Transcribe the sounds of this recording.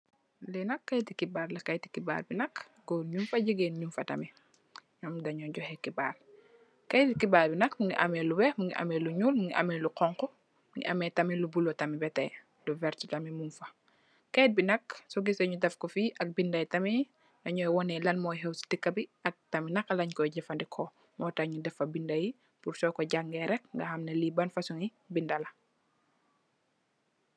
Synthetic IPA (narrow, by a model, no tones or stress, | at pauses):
lɛnɐkːɐjtikibaːɾlɐkɐjti̥kiba̰ːlbinɐk | ɡɔɲumfɐɟiɡenɲumfɐtɐ̰mi | ɲɔmdɐɲɔɟɔhɛkiba̰ːl | kɐjtikibaːlbinɐkmuŋɡiʔɐmɛːluwɛhmuŋɡiʔɐ̰mɛluɲuːlmuŋɡiʔɐ̰mɛluqɔŋkɔ | mŋɡḭʔɐ̰mɛtɐmilubulɔtɐmibɛtɛ̰j | duvɛɾtitɐmimunfɐ | kɛːt̚binɐksɔɡisɐɲudɛfkɔfiʔɐk̚bindɐjtɐmi | ɐɲɔjwɔnɛlɐnmɔːjɦɛwsi̥tikːɐbiɐk̚tɐminɐkːɐlɐɲkɔjɟɛfɐndɛkʰɔ | mɔːtɐɲudɛfɐbindɐji | pursɔkɔɟaɡŋɡɛɾɛk̚ŋɡɐxɐmnɐlibɐnfɐsuŋi | bindɐlɐ